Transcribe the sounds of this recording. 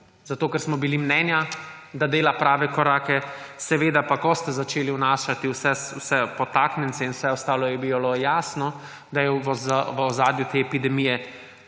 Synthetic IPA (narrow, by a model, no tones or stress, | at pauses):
zat̪oːkɛɾsmɔbilimnɛːnja | d̪ad̪eːlapɾaːʋɛkɔɾaːkɛsɛʋeːd̪apakɔst̪ɛzat͡ʃeːliwnaːʃat̪iwsɛwsɛpɔt̪aːknɛntsɛinwsɛɔst̪aːlɔjɛbibalɔjaːsnɔ | d̪ajɛaʋɔzaːd̪jut̪eɛpid̪ɛmijɛ